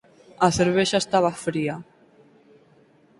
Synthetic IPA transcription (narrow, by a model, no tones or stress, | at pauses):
aθeɾβ̞eʃaest̪aβ̞afɾia